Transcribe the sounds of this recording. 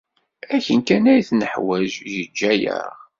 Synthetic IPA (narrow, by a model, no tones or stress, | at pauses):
æçənkænæjθnəħwæʒjəd͡ʒːæjæ̰ʁ